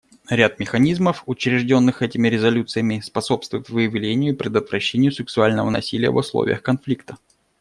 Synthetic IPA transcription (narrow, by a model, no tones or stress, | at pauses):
ɾʲat̪̚mʲɪxɐnʲizməfʊt͡ɕɾʲɪʐdʲo̞nːɨxɛtʲɪmʲɪɾʲɪzɐlʲut̪sɨjəmʲɪspɐso̞pst̪vʊjɪt̪vɨjɪvlʲenʲɪjʊipɾʲɪd̪ət̪vɾɐɕːenʲɪjʊsʲɨksʊalʲnəvə̰nɐ̰sʲilʲɪjə̰vʊslˠo̰vʲɪ̰jə̰xkɐnflʲikt̪ə